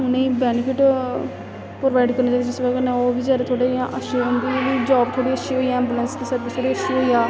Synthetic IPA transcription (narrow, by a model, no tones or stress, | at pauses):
ʊnẽiːbɛːnɪfɪʈ | pɾoːʋaːɪɖkəɾnaːd͡ʒaːʋeːd͡ʒɪsʋəɡ̪nɛ̃oːbiːd͡ʒaːɾet̪ʰoːɽeːãʔəʃeʊnd̪iːʋiːd͡ʒɔːbt̪ʰoːɽiːəʃiːɦoːiːɛ̃ːmbuːlənskisat̪ːit̪ʰoːɽiːəʃiɦoːiaː